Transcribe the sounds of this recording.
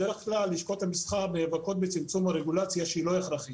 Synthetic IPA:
deʁeχklalːiʃko̞t̪hamisχaʁbnevako̞t̪̚bet͡simt͡sumhaʁeɡulat͡sjaʃeilo̞eχɾaχi

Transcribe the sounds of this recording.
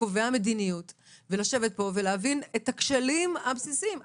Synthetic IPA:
oveame̞dinijut | velaʃe̞vet̚po̞veleavinetakʃelimabsisim

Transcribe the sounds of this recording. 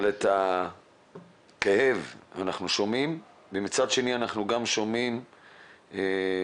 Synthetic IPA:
leta | keheva̰naχnuʃomim | bemit͡sad̪ʃe̞nianaχnuɡamʃomim | e

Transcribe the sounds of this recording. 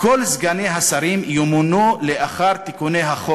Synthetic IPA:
kolzɡaneɦasaɾimjumunuleʔaχaʁt̪ikunejɦaχo

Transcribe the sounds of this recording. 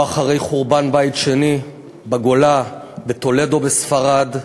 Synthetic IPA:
aχaʁejχuʁbanbajtʃe̞ni | baɡo̞la | bet̪o̞le̞do̞besfaʁad

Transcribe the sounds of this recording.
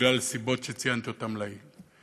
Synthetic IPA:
lalsibot̪ʃet͡sijant̪iot̪amlai

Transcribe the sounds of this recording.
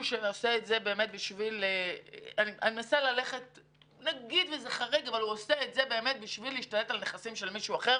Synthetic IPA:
uʃeoseːtzebe̞ːme̞t̪̚biʃvileaniʔa̰nimnasalale̞χe̞t̪̚ | naɡid̪vezeχaʁiɡavaluoseetze̞be̞ːme̞t̪̚biʃviliiʃtale̞talneχasimʃe̞lmiʃuaχe̞

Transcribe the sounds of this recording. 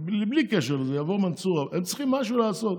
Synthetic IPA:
bliblikɛʃ̬ɛʁlzɛjavoʁmant͡suʁavɛmt͡sχimːaʃuːlaːsɔt̪

